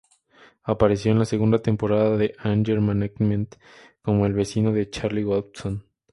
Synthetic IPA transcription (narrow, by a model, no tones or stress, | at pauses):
apaɾe̞sjo̞enlase̞ɣund̪at̪e̞mpo̞ɾaðaðe̞ʔand͡ʒeɾmanekmẽnt̪ | ko̞mo̞e̞lβe̞sino̞ðe̞t͡ʃaɾliwalt̪son